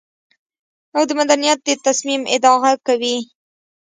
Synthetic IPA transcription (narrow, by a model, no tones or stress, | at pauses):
awd̪əmad̪anijat̪̚d̪ət̪asmimɪ̰d̪ɑɣakawi